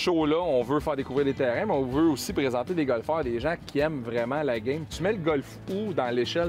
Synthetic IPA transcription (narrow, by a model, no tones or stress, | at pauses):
ʃolʌɔ̃vøfæːʁd̪ekuvʁiːʁd̪et̪ɛːʁɛ̃mɛɔ̃vøusipʁezɑ̃t̪ed̪eɡɔlfɑːʁd̪eʒãkʲʰiɛmvʁɛmãlaɡʲɛ̃jmt̪ymɛləɡʌlf | ud̪ɑ̃leʃɛl